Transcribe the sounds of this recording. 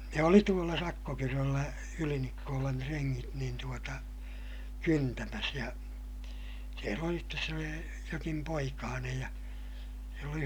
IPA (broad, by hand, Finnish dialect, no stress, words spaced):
ne oli tuolːɑ sɑkːokyrølːæ ylinikːoːlɑn treŋːit niːn tuotɑ kyntæmæs jɑ siel oli stes se oli jokim poikɑːnej jɑ silː oli